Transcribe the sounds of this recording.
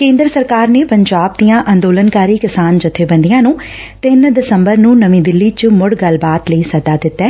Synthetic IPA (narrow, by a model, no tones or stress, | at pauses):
kẽːnd̪ɾəsəɾkaːɾneːpəɲd͡ʒaːb̚d̪ijãːʔənd̪oːlənkaːɾiːkɪsaːnd͡ʒʊt̪ʰːeːbə̃nd̪ijãːnũː | t̪ɪnd̪ɪsəmbəɾnũːnəʋĩːd̪ɪlːiːt͡ʃmʊɽɡəlbaːt̪ləiːsəd̪aːd̪ɪt̪ːɛː